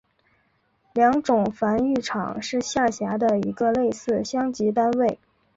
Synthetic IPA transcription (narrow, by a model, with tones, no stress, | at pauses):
ljɑ˧˥ŋʈ͡ʂʊ˨˩ŋfa˧˥ny˥˩ʈ͡ʂʰɑ̰˨˩˦ŋʂɻ̩˥˧ɕja˥˩ɕja˧˥d̪ə˧i˧˥ɡə˧le˥˧ɪsɹ̩˥˩ɕjɑ˥ŋt͡ɕi˧˥t̪̬a˥nwe˥˩ɪ